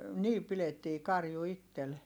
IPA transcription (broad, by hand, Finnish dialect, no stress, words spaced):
niː piletːiː kɑrju itːel